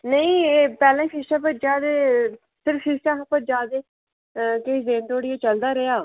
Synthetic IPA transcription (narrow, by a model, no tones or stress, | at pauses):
nəĩpɛːlãːʃɪʃãːpəd͡ʒaːd̪eː | sɪɾfʃɪʃãːɦapəd͡ʒaːd̪eː | keizeːnt̪oːɽɪeːt͡ʃəld̪aːɾejaː